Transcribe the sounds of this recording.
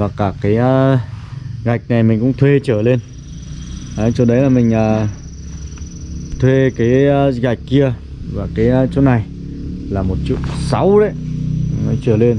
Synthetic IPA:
vaː˨˩kaː˧˩kaː˨˦j | ɣa˨˩jk̟̚na˨˩jmï˨˩ŋ̟kʊ̰˧˥ŋ͡mt̪ʰwe˧t͡ɕəː˧˩le˧n | ʔaː˨˦t͡ɕɗə˨˦jlaː˨˩mï˨˩ŋ̟ʔaː˨˩ | t̪ʰwe˧kaː˨˦jɣa˨˩jk̟̚kːi˧ə | vaː˨˩kaː˨˦jt͡ɕo˨˦˥na˨˩j | laː˨˩mo˨˩t̚t͡ɕṵ˧˨sa˨˦wɗə̰˧˦jɔ˨˦jt͡ɕəː˧˩le˧n

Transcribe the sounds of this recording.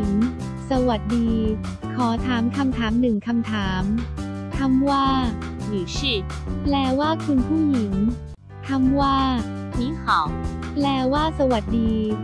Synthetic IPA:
ŋ | sa˧wa˨˩t̪̚diː˧ | kʰɔː˩˦t̪ʰaː˩˦mkʰa˧mt̪ʰaː˩˦mnɯ˨˩ŋkʰa˧mt̪ʰaː˩˦m | t̪ʰa˧˥˩mwaː˥˩ | jiː˨˩˦si˨˧˩t̚ | plɛː˧waː˥˩kʰu˧npʰuː˥˩ji˩˦ŋ | t̪ʰa˧˥˩mwaː˥˩ | iː˧˥˦hɔ˨˩˦plɛː˧waː˥˩sa˧wa˨˩t̪̚diː˧

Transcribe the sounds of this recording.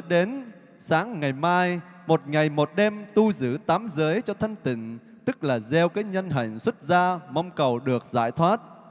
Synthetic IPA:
ɗe˨˦n | saː˨˦ŋŋa˨˩jmaː˧j | mo˨˩t̚ŋa˨˩jmo˨˩t̚ɗɛ˧mt̪u˧zɨ̰˧˩t̪aː˨˦mzəː˨˦jt͡ɕɔ˧t̪ʰə˧ŋt̪ï˧˨ŋ̟ | t̪ɨ˦˥k̚laː˨˩zɛ˧wkaː˨˦˥jɲə˧nɦə̰˧˨ŋ̟swə˦˥t̚zaː˧mə˧wŋ͡mkə˨˩wɗɨ˨˩ək̚za̰ː˧˩jt̪ʰwaː˦˥t̚

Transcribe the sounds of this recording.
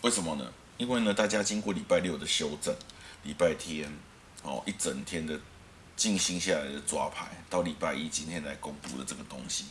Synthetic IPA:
we˥˩ɪsə˨˩nmə˨nə̰˦ | i˥nwe˥˩ɪnə˨t̪a˥˩t͡ɕja˦t͡ɕi˥ŋkwɔ˥˩li˨˩pa˥˧ɪljʊd̪ə˨ɕjo˥ʊt͡sə̰˨˩nli˨˩pa˥˩ɪt̪ʰjɛ˦n | hɔ̰˨ʔi˥t͡sə˨˩nt̪ʰjɛ˥nd̪ə˨ | t͡ɕi˥˨ŋɕi˧˥ŋɕa˥˩la˨˦ɪd̪ə˨t͡swa̰˦pʰa˨˦ɪt̪ɑ˥˩ʊli˨˩pa˥˩ɪi˦t͡ɕi˥˦nt̪ʰjɛ˥nla˧˥ɪko˦ŋpṵ˥˨d̪ə˨˩t͡sə˥˩ɡə˩t̪o̰˦ŋɕi˨˦

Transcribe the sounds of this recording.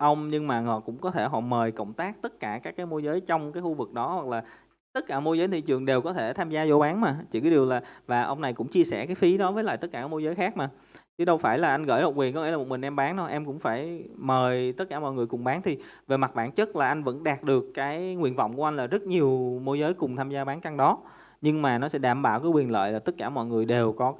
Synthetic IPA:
ʔə˧wŋ͡mɲɨ˧ŋmaː˨˩ŋɔ̰˧˨kʊ̰˧˥ŋ͡mkɔ˨˦t̪ʰe˧˩ɦɔ̰˧˨məː˨˩jkə̰˧˩˨wŋ͡mt̪aː˦˥k̚t̪ə˦˥t̚kaː˧˩kaː˦˥kːaː˨˦jmo˧jzəː˨˦jt͡ɕɔ˧wŋ͡mkaː˨˦jxu˧vɨ˨˩k̚ɗɔ˨˦hwa˨˩k̚laː˨˩ | t̪ə˦˥t̚kaː˧˩mo˧jzəː˨˦jt̪ʰi˨˩t͡ɕɨ˨˩əŋɗe˨˩wkɔ˨˦t̪ʰe˧˩t̪ʰaː˧mzaː˧zo˧˦ɓaː˨˦nmaː˨˩t͡ɕi˧˩kaː˨˦ɗi˨˩əwlaː˨˩vaː˨˩ʔə˧wŋ͡mna˨˩jkʊ̰˧˥ŋ͡mt͡ɕi˧əsɛ˧˩kaː˨˦jfi˨˦ɗɔ˨˦vəː˨˦jla̰ː˧˨jt̪ə˦˥t̚kaː˧˩a˨˦mo˧jzəː˨˦jxaː˦˥k̚maː˨˩ | t͡ɕɨ˨˦ɗə˧wfaː˧˩jlaː˨˩ʔa˧jŋ̟ɣə̰ː˧˩jho˨˩wi˨˩nkɔ˨˦ŋ̰˧˥lːm˨˩t̚mï˨˩ŋ̟ʔɛ˧mɓaː˨˦nɗɔ˨˦ʔɛ˧mkʊ̰˧˥ŋ͡mfaː˧˩jməː˨˩jt̪ə˦˥t̚kaː˧˩mɔ̰˧˨jŋɨ˨˩əjkʊ˨˩ŋ͡mɓaː˨˦nt̪ʰi˨˩ | ve˨˩ma˨˩t̚ɓa̰ː˧˩nt͡ɕə˦˥t̚laː˨˩ʔa˧jŋvə̰˧˥nɗaː˨˩t̚ɗɨ˨˩əkːaː˨˦jŋwḭ˧˨ənvɔ̰˧˨wŋ͡mku˧˩ʔa˧jŋlaː˨˩zə˦˥t̚ɲi˨˩əwmo˧jzəː˨˦jkʊ˨˩ŋ͡mt̪ʰaː˧mzaː˧ɓaː˨˦nka˧ŋɗɔ˨˦ | ɲɨ˧ŋmaː˨˩nɔ˨˦sɛ̰˧˥ɗaː˧˩mɓaː˧˨wkaː˨˦kwi˨˩ənlə̰ː˧˨jlaː˨˩t̪ə˦˥t̚kaː˧˩mɔ̰˧˨jŋɨ˨˩əjɗe˨˩wkɔ˨˦

